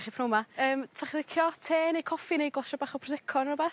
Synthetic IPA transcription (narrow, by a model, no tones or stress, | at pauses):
χipʰnowmaəːmtʰaχðɪkʰjɔtʰeːnejkʰɔfɪnejɡlˠɔsɔbaːχɔpʰrɔsɪkʰɔnrɔbɛ